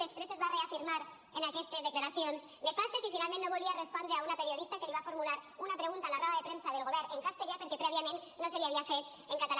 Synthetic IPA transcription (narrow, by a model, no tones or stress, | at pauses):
espɾesezβareafiɾmaɾ | enakest̪ɾezðeklaɾaθjons | nefast̪esifinalmennoβoliarespond̪eaunape̞ɾjo̞ðist̪akeliβafo̞ɾmulaɾunapɾeɣunt̪alaraβaðe̞pɾensað̞e̞lɣo̞β̞eɾeŋkast̪eʎapeɾkepɾeβ̞jamẽnnoseliaβiafet̪ | eŋkat̪al